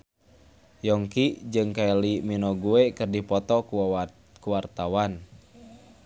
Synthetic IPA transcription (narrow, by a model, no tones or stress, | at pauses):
jɔŋkiʔd͡ʒɨŋkailiminɔɡuekɨrdipɔt̪ɔku | kuwart̪awan